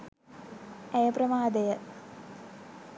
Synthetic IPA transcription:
ejəprɐmaːd̪ejə

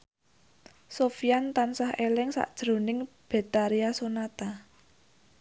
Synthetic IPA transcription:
sofijant̪ansahʔelɪŋsa̰ʔd̥ʒ̥ɾo̤nɪŋ | b̥e̤t̪aɾiasonat̪a

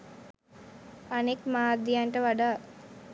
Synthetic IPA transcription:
anekmaːrd̪ijaɳʈəʋaɖaː

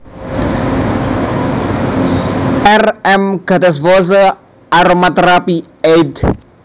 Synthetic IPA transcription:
ɛrɛmɡat̪as̬vosə | ʔaɾomat̪ɾapi | ejd

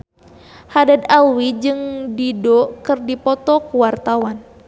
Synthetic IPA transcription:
hadad̪awid͡ʒɨŋdidɔkɨrdipɔt̪ɔkuwart̪awan

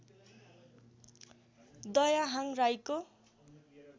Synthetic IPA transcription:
d̪ʌjaɦaŋrajko

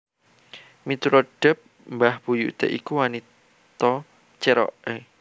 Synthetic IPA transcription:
mit̪uɾoɖ̥ɛp̚ | mbahb̥ujuʔt̪ḛʔikuwanit̪ | t̪ɔ | t͡ʃɛɾɔ̰ʔe

